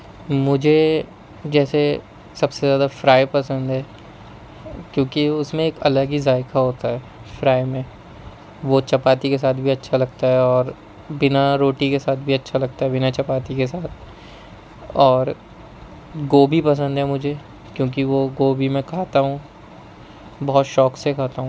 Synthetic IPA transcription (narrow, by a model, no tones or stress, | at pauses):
mʊd͡ʒʱe | d͡ʒɛːse | sɐbsezjaːd̪afɾaːepɐsə̃nd̪ɦɛː | kjõːkiʊsmẽeːkɐ̰ləɡizaːɪkaɦoːt̪aɦɛːfɾaːemẽ | ʋot͡ʃɐpaːt̪ikes̬aːt̪̚ʰbʱiɐtːʃʰalɐɡ̚t̪aɦɛɔːɾ | bɪnaɾoːʈikesaːt̪ʰbʱiɐtːʃʰalɐɡ̚t̪aɦɛbɪnat͡ʃɐpaːt̪ikesaːt̪ʰ | ɔːɾ | ɡoːbʱipɐs̬ə̃nd̪ɦɛmʊd͡ʒʱe | kjõːk̬iʋoɡoːbʱimɛ̃kʰaːt̪aɦũ | bɔɦt̪ʃɔːksekʰaːt̪aɦũ